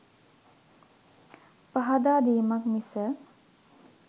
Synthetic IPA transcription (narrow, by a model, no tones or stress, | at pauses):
paɦad̪aːd̪iːmakmisə